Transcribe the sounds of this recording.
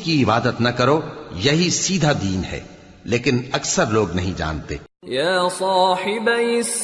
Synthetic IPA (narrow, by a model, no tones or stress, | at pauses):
kiɪbaːd̪ət̪nɐkɐɾojɐɦisiːd̪ʱad̪iːnɦɛ̰ː | leːkɪnɐksəɾloːɡnɐɦĩd͡ʒa̰ːnt̪ḛː | jaːsˤɑːħɪbɪs